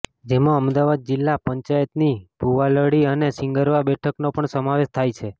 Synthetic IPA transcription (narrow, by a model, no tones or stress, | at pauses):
d͡ʒemãəmd̪aʋad̪̚d͡ʒɪlːapəɲt͡ʃajət̪nib̥ʱuʋaləɽiənesɪŋɡəɾʋabɛʈʰəknopəɳsəmaʋeʃt̪ʰajt͡ʃʰe